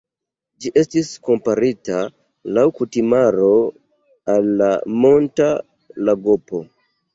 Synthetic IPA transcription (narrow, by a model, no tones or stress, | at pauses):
d͡ʒiʔe̞stisko̞mpaɾita | lawkutimaɾo̞ | alːa̰mo̞nta | laɡopo̞